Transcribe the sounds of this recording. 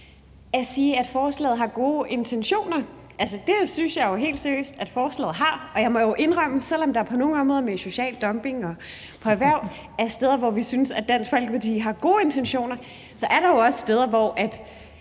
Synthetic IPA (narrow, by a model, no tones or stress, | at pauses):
æsiːæd̥fɒːslɛ̰ːð̩ˠɦɑ̈ɡ̥o̝ːʔe̝nt͡sʰenɕo̝̰ːnɐ | ʔæls̬əd̥e̝synsjɑ̈ɪjo̝ɦe̝̰ːld̥sæɐjø̰ːsd̥æd̥fɒːslɛ̰ːð̩ˠɦɑ̈ɒ̽jɑ̈ɪmɒ̽joʔe̝nʁɑm̰əsel̰ɒ̽md̥ɑ̈ɐpʰɒ̽no̝ːŋ̩ɒmʁɔːðˠmeɕo̝ɕɛ̰ːld̥ɒ̽mb̥e̝ŋɒ̽pʰɒ̽eʋæɐ̰̥ | æsd̥eð̞ˠɐʋɒʋisynsæd̥æn̰sɡ̥fɒl̰ɡ̥ʋæd̥ḭːɦɑ̈ɡ̥o̝ːe̝nt͡sʰenɕo̝̰ːnɐ | sɒ̽ʔæɐɾɑ̈jo̝ɒ̽ssd̥eːð̞ˠɐʋɒʔæd̥